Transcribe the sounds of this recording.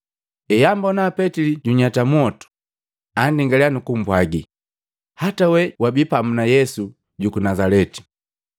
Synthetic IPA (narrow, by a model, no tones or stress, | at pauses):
ɛjambɔnaːpɛtiliɟuɲatamwɔtu̥ | andiŋɡalɛanukum̩bwaɡi | hatawɛwabipamunajɛsu | ɟukunazalɛti̥